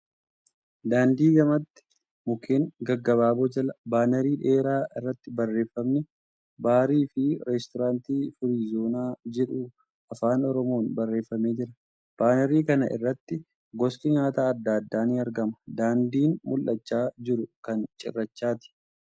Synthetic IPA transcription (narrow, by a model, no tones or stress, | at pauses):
d̪aːnd̪iːɡɐmɐt̪ːɪ̥ | mʊkʰeːŋɡɐɡːɐβaːbɔd͡ʒɐlɐbaːnɛɾiːᶑe̞ːɾaːɪrːɐt̪ːɪbɐrːe̞ːfːɐmnɛ | baːɾiːfɪɾɛst̪ɔɾaːnt̪iːfʊɾiːzo̞ːnaːd͡ʒɛᶑu | ɐfaːnɔɾɔmo̞ːnbɐrːeːfːɐme̞ːd͡ʒɪɾɐ | b̥aːnɛɾiːkɐnɐ̰ʔɪ̰rːɐt̪ːɪ | ɡɔskɪɲaːt̪aːɐd̪ːaːd̪ːaːnɪɐɾɡɐmɐd̪aːnd̪iːnmʊlʔɐt͡ʃːaːd͡ʒɪɾʊkɐnt͡ʃʼɪ̰rːɐt͡ʃːaːt̪ɪ̥